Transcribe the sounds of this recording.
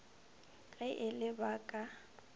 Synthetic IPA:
ɣɛʔɪlɪbaːkʼa

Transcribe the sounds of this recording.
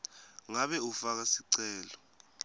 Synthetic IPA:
ŋaɓɛufak̬asiǀɛːlɔ

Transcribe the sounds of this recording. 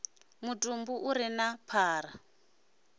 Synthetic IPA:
mutʼumbuʔuɾinapʰaːɾa

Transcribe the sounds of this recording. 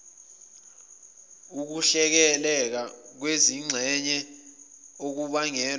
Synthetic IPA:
uk̬uɬɛk̬ɛlɛk̬ak̬weziŋ͡ǀʱɛɲɛ | ok̬uɓaŋɛːl

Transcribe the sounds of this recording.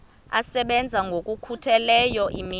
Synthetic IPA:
asɛɓɛnd͡zʱaŋɡʱokʼukʰutʰɛlɛjɔʔimi

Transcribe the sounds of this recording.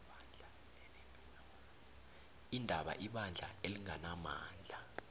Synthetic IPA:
indʱaɓa̰ʔiɓand͡ɮʱa̰eliŋanama̰ːnd͡ɮʱa

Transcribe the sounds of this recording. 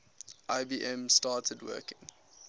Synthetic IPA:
ʔaɪbiːʔɛ̃mstɑːtʰədwɜ̰ːkɪ̃ŋ

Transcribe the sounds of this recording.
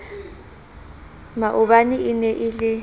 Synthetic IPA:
maʔʊɓanɪɪnɛʔɪlɪ

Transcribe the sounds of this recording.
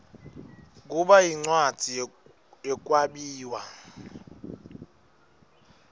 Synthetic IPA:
k̬ʼuɓajiŋ͡ǀwḁd͡z̥ʱi | ɛk̬ʼwaɓiːwa

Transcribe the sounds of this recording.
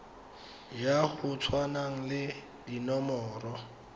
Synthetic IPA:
jahʊt͡sʰwanaŋ̩lɪ | dinɔmɔːrɔ

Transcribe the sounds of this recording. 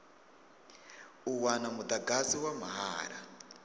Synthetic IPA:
uwanamud̪aɡaziwam̤aɦa̰ːɾa̰

